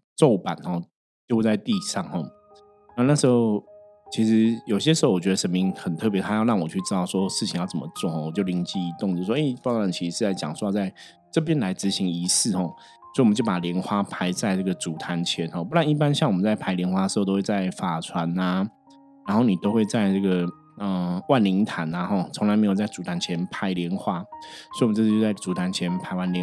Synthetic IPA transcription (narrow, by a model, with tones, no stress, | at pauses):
t͡so˥˨˩ʊpa̰˨˩˦nxɔ˨˩ | t͡ɕjxt͡sa˥˧ɪt̪i˥˧ʂɑ˥˨ŋhɔ˥˩ | na˥˧na˥˩ʂɻ̩˧˥xo˥˩ʊ | t͡ɕʰi˧˥ʂɻ̩˧˦jo˨˩i˦ɕ̬jɛ˥ʂ̬̩˧˥o˥˩wɔ˨t͡ɕɥɛ˧d̪ə˧ʂə˧˥nmi˧˥ŋxə˨˩nt̪ʰɤ˥˩p̬jɛ˧˥t̪ʰa˥jɻɑ˥˩ŋwɔ˨˩t͡ɕʰy˥˩ʈ͡ʂɻ̩˥t̪ɑ˥˩ʊswɔ˦˥ʂɻ̩˥˩t͡ɕʰi˧ŋjɑ˥˩ʊt͡sə˨˩mə˦t͡swɔ˥˨xɔ˥˩wɔ˨˩t͡ɕjo˥˩ʊli˧˥ŋt͡ɕi˥˩i˧˥t̪o˥˨ŋt͡ɕjo˥˧˩e˥˩ɪfa˧˨˦nt͡ɕʰi˧˥ʂ̩˧ʂɻ̩˥˧t͡sa˥˩ɪt͡ɕjɑ̰˨˩ŋsu˥ja˥˧t͡sa˥˩ɪ | ʈ͡ʂɤ˥˩p̬jɛ˥nla˧˥ɪt͡sɹ̩˧˥ɕi˧˥ŋi˧˥sɹ̩˥˩xɔ˥˨˩ | soɔ˧˥˨ə˦t͡ɕjo˥˩pa˨˩ljɛ˧˥nxwa˦pʰa˧˥ɪt͡sa˥˧ɪʈ͡ʂɤ˥˩ɡə˩t͡su˨˩t̪ʰa˧˥nt͡ɕʰjɛ˧˦nxɔ˥˩pu˥˧t̪a˥˧ni˥˩p̬a˥˦nɕjɑ˥˩ŋwɔ˨mə˦nt͡sa˥˩ɪpʰa˧˥ɪljɛ˧˥nxwa˥dʂ̩˧˥˩t̪̬o˥we˥˧t͡sa˥˩ɪfa˨˩t͡sʰwa˧˦na˧ | ɻa˨˧˥nxo˥˩ni˨˩t̪o˥ʊxwe˥˧ɪt͡sa˥˧ɪʈ͡ʂɤ˥˩ɡə˨˩ | ə˧wa˥˩nli˧˥ŋt̪ʰa˨˦na˧xɔ˥˩t͡sʰo˧˥ŋla˧ɪme˧˥jo˨˩ʊ˩t͡sa˥˩ɪt͡su˨˥t̪ʰa˧˥nt͡ɕʰjɛ˧˥npʰa˧˥ɪljɛ˧˥nxwa˥so˧˥i˥˨m˦t͡sɤ˥˧˥t͡ɕo˥˧˩t͡sa˥˩ɪt͡su˨˥t̪ʰa˧˦nt͡ɕʰjɛ˧˥npʰa˧˥ɪwa˥nl